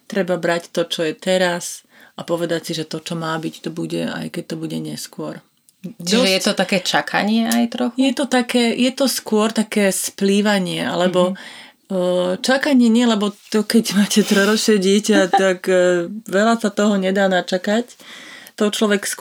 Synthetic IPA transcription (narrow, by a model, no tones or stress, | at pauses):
t̪ɾɛbabɾact̪ɔt͡ʃɔjɛt̪ɛɾas | apɔʋɛd̪acsiʒɛt̪ɔt͡ʃɔmaːbict̪ɔbuɟɛ̰a̰jkɛc̚t̪ɔbuɟɛɲɛskʊɔɾ | t͡ʃd̪iɔʒɛsjɛɔt̪akɛːt͡ʃakʰa̰ɲɪɛajt̪ɾɔxjujɛt̪ɔt̪akɛːjɛt̪ɔskʊɔɾt̪akɛːspliʋaɲɪɛʔa̰lɛbɔ | t͡ʃakaɲɪɛɲɪɛlɛbɔt̪ɔkɛɟmaːcɛt̪ɾɛɾɔt͡ʃɛɟɪɛcat̪akʋɛlasat̪ɔɦɔɲɛd̪aːnat͡ʃakact̪ɔt͡ʃlɔʋɛksk